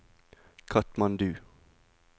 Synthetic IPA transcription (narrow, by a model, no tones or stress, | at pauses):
kʰɑt̪mɑnd̪ʉː